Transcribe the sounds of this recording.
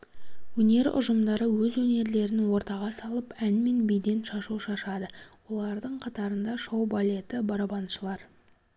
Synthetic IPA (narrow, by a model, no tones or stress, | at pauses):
wɵne̞ɾʊ̰ʒəmd̪ɑɾəwɵzwɵne̞ɾle̞ɾɪnwo̞ɾt̪ɑʁɑsɑlˠəpænme̞nbijd̪e̞nʃɑʃuʃɑʃɑd̪əwo̞lˠɑɾd̪əɴqʰɑt̪ɑɾənd̪ɑʃowbalʲe̞t̪ɪbɑɾɑbɑnʃəlˠɑɾ